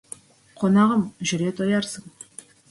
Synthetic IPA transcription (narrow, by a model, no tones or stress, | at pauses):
qʰonɑʁəmʒʏɾe̞t̪ʰojɑɾsəɴ